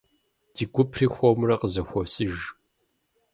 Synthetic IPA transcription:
d̥iːɡʷʊpʰriːxʷɔmrɐqəzɐxʷɔsɨʒ

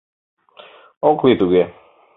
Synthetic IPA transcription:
ɔkʰlit̪uɡɛ

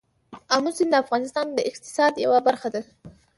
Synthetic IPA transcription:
amusind̪əafɣɑnɪst̪ɑnd̪əʔɪqt̪ɪ̥sɑd̪ja̰wabaɾxad̪a

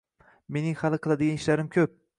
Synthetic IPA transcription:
me̞nɪŋhalˠɨqʰɨlˠad̪ɪɡʲanɪʃlaɾɪmkʲʰɵp̚

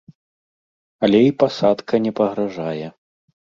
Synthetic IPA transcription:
ɐlʲɛipasat̪kʰɐnʲɛpɐɣɾaʐajɛ

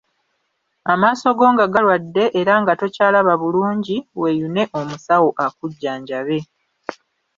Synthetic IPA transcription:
amaːso̞ɡo̞ːŋɡaɡalwadːe̞ʔeɾaŋɡato̞caːlaβaβuluːɲɟiwe̞june̞ʔo̞musawo̞ʔakuɟːaːɲɟaβe̞

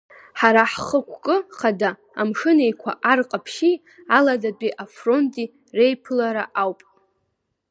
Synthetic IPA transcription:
ħaɾaħχəkʷʰkʼɨχadaː | mʂɨnejkʷʰa̰ʔarqʼapʰʃi | aladadʼiʔafro̞ntʼi | re̞jpʰɨlaɾaʔawpʼ

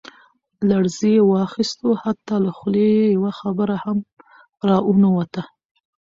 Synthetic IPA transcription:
laɽzijewɑxist̪ohat̪ːɑlaxlejawaxabəɾaham | ɾɑʔunowat̪a

